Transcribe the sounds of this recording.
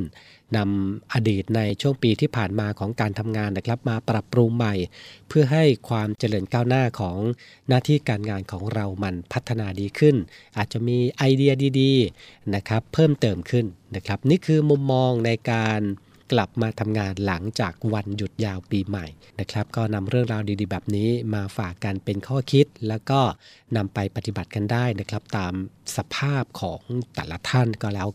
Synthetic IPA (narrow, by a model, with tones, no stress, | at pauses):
n | na˧mʔaː˧diː˨˩t̪̚na˧jt͡ɕʰu˥˩əŋpiː˧t̪ʰiː˥˩pʰaː˨˩nmaː˧kʰɔː˩˦ŋkaː˧nt̪ʰa˧mŋaː˧nːa˦˥kʰla˦˥p̚maː˧pɾa˨˩pɾuː˧mːa˨˩jpʰɯ˥˩ɐɦa˥˩jkʰwaː˧mt͡ɕa˧ɾɤː˧nkaː˥˩wnaː˥˩kʰɔː˩˦ŋ | naː˥˩t̪ʰiː˥˩kaː˧nŋaː˧nkʰɔː˩˦ŋɾa˧wma˧npʰa˦˥t̪ʰːa˧naː˧diː˧kʰɯ˥˩nʔaː˨˩t̪̚t͡ɕa˨˩miː˧ʔa˧jdi˧ɐdiː˧diː˧na˦˥kʰɾa˦˥pʰːɤː˥˩mt̪ɤː˧mkʰɯ˥˩nːa˦˥kʰɾa˦˥p̚niː˥˩kʰɯː˧mu˧mːɔː˧ŋna˧jkaː˧n | kla˨˩p̚maː˧t̪ʰa˧mŋaː˧nla˩˦ŋt͡ɕaː˨˩k̚wa˧nju˨˩t̪̚jaː˧wpiː˧ma˨˩j | na˦˥kʰɾa˦˥p̚kɔː˥˩na˧mɾɯ˥˩əŋɾaː˧wdiː˧diː˧bɛː˨˩p̚niː˦˥maː˧faː˨˩kːa˧npe˧nkʰɔː˥˩kʰi˦˥t̪̚lɛː˦˥wkɔː˥˩ | na˧mpa˧jpa˨˧t̪i˨˩ba˨˩t̪̚ka˧ndaː˥˩jna˦˥kʰɾa˦˥p̚t̪aː˧msa˧pʰaː˥˩p̚kʰɔː˩˦ŋt̪ɛː˨˩la˦˧˥t̪ʰa˥˩nkɔː˥˩lɛː˦˥w